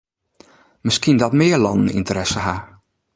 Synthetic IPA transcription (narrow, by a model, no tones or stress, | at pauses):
mɪskindɔtmɪːəlɑndn̩ḭntəɾɛsəha